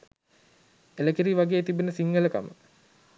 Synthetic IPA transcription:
eləkiɾiːʋaɡeːt̪ibenəsiŋɡələka̰mə̰

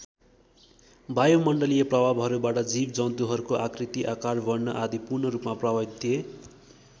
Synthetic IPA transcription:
bajomʌɳɖʌlijʌprʌbʱabɦʌɾubaʈʌd͡zib̚d͡zʌnt̪uɦʌɾukoʔakrit̪iʔakarbʌrnʌʔad̪ipurnʌɾupmaprʌbad̪ʰije

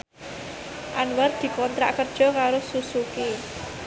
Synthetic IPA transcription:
ʔanwar̚d̪̥i̤kɔnt̪ɾa̰ʔkərd̥ʒ̥ɔ̤kaɾosusuki

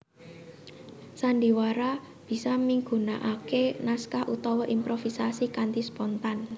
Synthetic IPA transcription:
sandi̤waɾa | b̥i̤samiŋɡṳnaʔakenaskahut̪ɔwɔʔimpɾofisasikant̪ispɔnt̪an

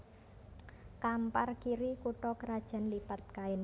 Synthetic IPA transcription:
kamparkiɾikuʈɔkəɾad̥ʒ̥a̤nlipat̪̚kaɪn

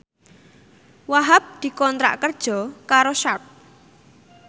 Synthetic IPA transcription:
waɦap̚d̪̥i̤kɔnt̪ɾa̰ʔkərd̥ʒ̥ɔ̤kaɾoʃap̚

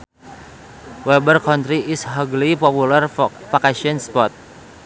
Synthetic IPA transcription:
wɛbərkɔnt̪ɾiɪsɦɔɡlipɔpulərfakasiɔnspɔt̪̚

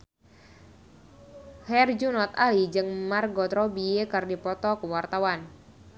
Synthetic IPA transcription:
hɛrd͡ʒunɔt̪alid͡ʒɨŋmarɡɔt̪ɾɔbiekərdipɔt̪ɔkuwart̪awan

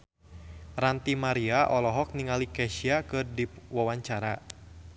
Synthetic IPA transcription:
rant̪imaɾiaʔɔlɔɦɔk̚niŋalikɛʃiakɨrdiwawaɲt͡ʃaɾa̰

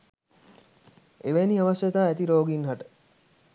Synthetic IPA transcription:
eʋæːniaʋasjɐt̪aːæt̪iɾoːɡinɦaʈə̥

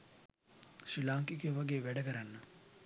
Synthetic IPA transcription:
ʃilaːŋkikiʋaɡeːʋæɖəkəɾanːə

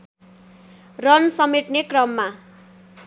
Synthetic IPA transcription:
rʌnsʌmeʈnekrʌmːa

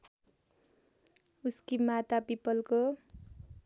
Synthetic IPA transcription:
uskimat̪apipʌlko

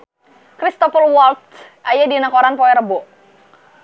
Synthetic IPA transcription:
kɾist̪ɔpəlwɔlt̪̚ | ʔajadinakɔɾanpɔɛɾəbɔ

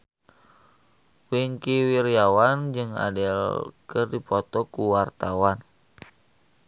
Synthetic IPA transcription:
wiŋkiwiɾjawand͡ʒɨŋa̰dilkɨrdipɔt̪ɔkuwart̪awan

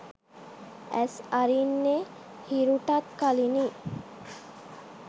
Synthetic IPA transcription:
æsaɾinːe | hiɾuʈat̪kalini

